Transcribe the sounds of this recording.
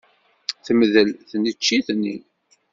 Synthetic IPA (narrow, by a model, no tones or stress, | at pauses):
θəməðəlθnət͡ʃːiθnḭ